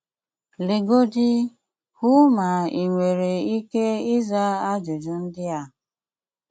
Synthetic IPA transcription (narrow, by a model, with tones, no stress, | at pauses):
le˨ɡo˦d͡ʒi˦ | hu˦ma˨i˨ŋʷe˨ɾe˨i˦ke˦ɪ˦za˦a˦d͡ʒu˨d͡ʒu˨˦n̩˦dɪ˦a˦˨